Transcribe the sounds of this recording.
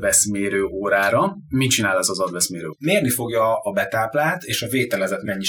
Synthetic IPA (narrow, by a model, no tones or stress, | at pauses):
vɛsmeːɾøːʔoːɾaːɾɒ | mit͡ʃinaːlɛzɒzɒd̪vɛsmeːɾø̰ːmeːrnifo̞ɡjɒːbɛt̪aːplaːt̪eːʃɒveːt̪ɛlɛzɛt̪mɛɲːi